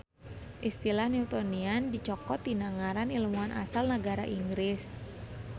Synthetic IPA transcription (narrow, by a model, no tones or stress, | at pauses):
ʔist̪ilahniut̪ɔniandit͡ʃɔkɔt̪̚inaŋaɾanilumuanʔa̰salnəɡaɾaʔiŋɡɾɪs